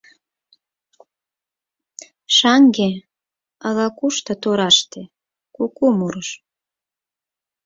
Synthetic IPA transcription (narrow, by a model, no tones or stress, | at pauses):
ʃɑŋɡe | əɣɑkuʃt̪ɤ̆t̪oɾɑʃt̪e | kukumuɾəʃ